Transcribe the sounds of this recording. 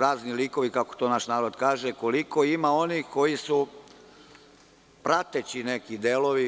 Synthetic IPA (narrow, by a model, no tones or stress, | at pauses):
ɾaːzniliko̞ʋikako̥t̪onaːʃnaːɾo̞d̪kaːʒeko̞liko̞imao̞niko̞jisu | pɾat̪et͡ɕinekid̪elo̞ʋi